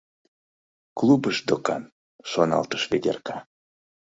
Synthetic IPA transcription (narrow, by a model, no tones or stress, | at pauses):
klˠubəʃd̪okɑ̰n | ʃonɑ̰lt̪ə̥ʃved̪ʲerkɑ